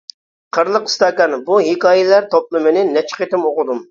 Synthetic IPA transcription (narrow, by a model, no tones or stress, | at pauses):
qʰəɾlˠəqi̥st̪ɑːkɑnbuɦekɑːjɪlæɾt̪ʰop̚lˠɨmɨnɪnɛt͡ʃʰə̥qet̪ɪmoqʊd̪um